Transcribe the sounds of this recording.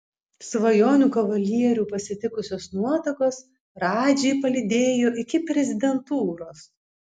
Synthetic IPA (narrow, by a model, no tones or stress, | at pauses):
sʋɐjoːnʲuːkɐʋɐlʲiɛɾʲuːpɐsʲɪt̪ʲɪkʊsʲoːsnuɔt̪ɐkoːs | ɾɑːd͡ʒʲɛɪpɐlʲɪd̪ʲeːjoːʔɪkʲɪpʲɾʲɛzʲɪd̪ʲɛnt̪uːɾoːs